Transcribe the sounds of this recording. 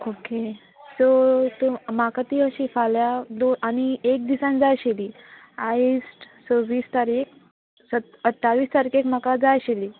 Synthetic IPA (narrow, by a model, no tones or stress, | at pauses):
oke | sot̪omakat̪iəɕifaljad̪oañiek̚d̪isãnd͡zajɕeliː | aisʈ | soʋiːst̪aɾik̚ | sət̪ | əʈʰːaʋiːst̪aɾikekmakad͡zajɕeliː